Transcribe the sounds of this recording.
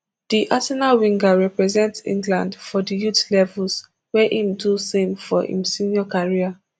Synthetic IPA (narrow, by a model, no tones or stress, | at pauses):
d̥iʔasɛnalwĩŋɡaɹɛpɹɛzɛ̃ntsḭ̃ŋɡlãndfɔdijutlɛvuls | wɛʔĩmdusẽmfɔḭ̃msĩniɔkaɹia